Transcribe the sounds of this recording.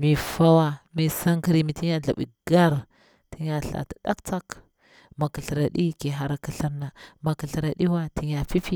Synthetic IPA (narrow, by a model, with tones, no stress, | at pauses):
mi˨fa˦wa˦mi˨sa˦ŋki˦ɾi˦mi˨ti˦ɲ˦a˦ɮa̰˨ɓḭ˨ɡa˦ɾ | ti˦ɲa˨ɬa̰˨ta˨ɗa˦kt͡sa˦k | ma˨kə˨ɬɾa˨ɗi˦ki˨ɦa˨ɾa˨ki˨ɬə˦ɾna˨ma˨kə˨ɬɾa˨ɗi˦wa˦ti˨ɲa˨fi˦fi˦